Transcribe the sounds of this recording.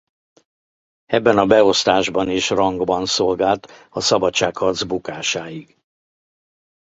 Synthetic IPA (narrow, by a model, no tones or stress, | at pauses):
ɛbːɛnɒbɛo̞st̪aːʒbɒniʃrɒŋɡbɒnso̞lɡaːlt̪ɒsɒbɒtt͡ʃːaːkhɒrd̪zbukaːʃaːjiɡ